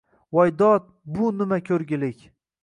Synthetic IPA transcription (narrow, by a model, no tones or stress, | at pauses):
vajd̪ɒt̪̚bʊnɪmakʲʰɵɾɡʲɪlɪkʲ